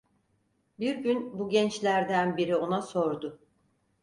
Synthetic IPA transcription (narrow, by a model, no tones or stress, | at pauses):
biɾɟynbuɟɛnt͡ʃlʲæɾd̪ænbiɾio̞naso̞ɾd̪ʊ